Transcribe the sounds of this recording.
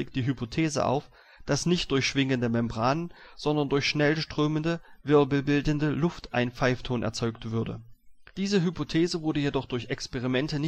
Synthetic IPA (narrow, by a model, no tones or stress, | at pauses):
ɪkd̥iːɦypʰotʰeːzə̰ʔa̰ʊf | d̥asnɪçt̚d̥ʊɐçʃv̥ɪŋəndəmɛmbʁaːnənz̥ɔndɐndʊɐçʃnɛlʃtʁ̥øːməndəvɪɐbl̩bɪldn̩dəlʊftʔaɪnp͡faɪftʰoːnʔɛ̰ɐt͡sɔʏktv̥ʏɐdə̰d̥iːzəɦypotʰeːzəvʊɐdəjedɔχd̥ʊɐçɛkspɛʁimɛntənɪ